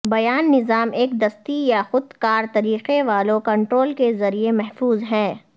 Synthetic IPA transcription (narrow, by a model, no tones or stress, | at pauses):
bɐjaːnːɪzaːmʔeːk̚d̪ɐst̪ijaxʊd̪kaːɾt̪ɐɾiːqeʋaːlõkɐ̃ɳʈɾoːlkezɐɾiemɛɦfuːzɦɛ̃ː